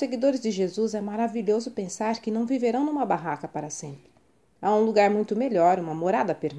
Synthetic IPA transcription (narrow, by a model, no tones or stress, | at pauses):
seɡid̪oɾɪzd͡ʒɪʒezuzɛmaɾaviʎozʊpẽsaɾkɪnɐ̃w̃viveɾɐ̃w̃nũmɐbaɦakɐpaɾɐsẽmpɾɪ | aũluɡaɾmũj̃t̪ʊmeʎɔɾũmɐmoɾad̪ɐpeɾ